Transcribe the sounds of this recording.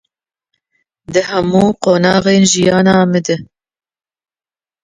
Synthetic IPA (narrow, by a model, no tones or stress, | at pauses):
d̪ɨhɛmuːqoːnɑːɣeːnʒijɑːnɑːmɨd̪ɨ